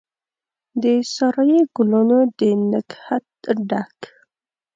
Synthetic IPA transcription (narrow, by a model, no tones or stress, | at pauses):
d̪əsɑɾɑjeɡʊlonod̪ənəkhat̪̚ɖak